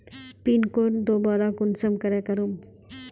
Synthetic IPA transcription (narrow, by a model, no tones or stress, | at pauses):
pinkoɾd̪obaɾakunsamkaɾekaɾum